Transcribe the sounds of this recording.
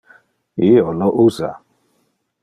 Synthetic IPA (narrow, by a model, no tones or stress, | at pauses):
ɪɔnɔʔuza̰